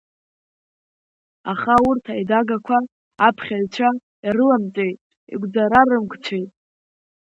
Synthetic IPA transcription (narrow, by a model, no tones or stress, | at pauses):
aχaurtʰajdaɡakʷʰaː | pʰχʲaɥt͡ʃʷʰa | irɨlamt͡sʼejtʼ | ḭɡʷd͡zaɾarɨmkʷʰt͡ʃʷʰejtʼ